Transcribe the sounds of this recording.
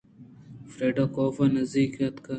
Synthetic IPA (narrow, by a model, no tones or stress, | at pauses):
fɾeːɖaːkoːfɐnɐzd̪iːkɐt̪kɐ